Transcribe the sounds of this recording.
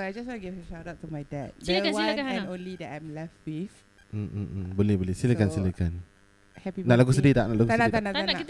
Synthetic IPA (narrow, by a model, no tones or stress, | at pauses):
ajd͡ʒaswãnɡɛvəʃadatumajdɛd̚swiãɛ̃nõnlidɛʔajmlɛfwif | m̩bolɛhbolɛsiləkansiləkan | hɛpinãʔlaɡussədit̪aʔnãʔlaɡusanaan